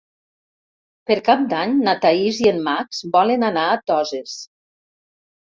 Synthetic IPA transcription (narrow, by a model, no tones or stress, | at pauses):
peɾkap̚d̪aɲnat̪aizienmaksbɔlenanaːt̪ɔzes